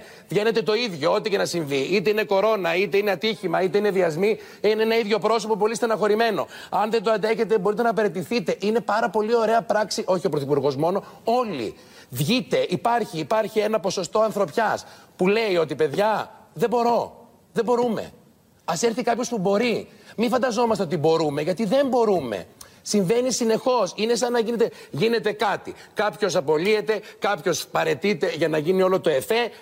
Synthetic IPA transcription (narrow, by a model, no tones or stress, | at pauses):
vʝe̞ne̞t̪e̞t̪oiðʝoot̪ice̞nɐsiɱviit̪e̞ine̞ko̞ɾo̞nɐit̪e̞ine̞ɐt̪içimɐit̪e̞ine̞ðiɐzmi | inenɐiðʝo̞pɾo̞so̞popolist̪eɐnɐxo̞ɾime̞no̞̰ | ɐnðe̞d̪oɐd̪e̞çe̞t̪e̞bo̞ɾit̪e̞nɐpe̞ɾe̞t̪iθit̪e̞ʔine̞pɐɾɐpo̞lio̞ɾe̞ɐpɾɐksiʔo̞çio̞pɾoθipuɾɣo̞zmo̞no̞o̞lḭ | vʝit̪e̞ʔipɐɾçiːpɐɾçie̞nɐpo̞so̞st̪o̞ɐnθɾo̞pçɐspule̞io̞t̪̬ipe̞ðʝɐðe̞bo̞ɾo̞ | ðebo̞ɾume̞̰ | ɐse̞ɾθikɐpço̞spubo̞ɾi | mifɐnd̪ɐzo̞mɐst̪eot̪ibo̞ɾume̞ʝɐt̪iðe̞mbo̞ɾumḛsiɱve̞nisine̞xo̞sine̞sɐnːɐʝinet̪e̞ʝine̞t̪e̞kɐt̪ikɐpço̞s̬ɐpo̞lie̞t̪e̞kɐpço̞spɐɾe̞t̪it̪e̞ʝɐnɐʝinio̞lot̪o̞e̞fe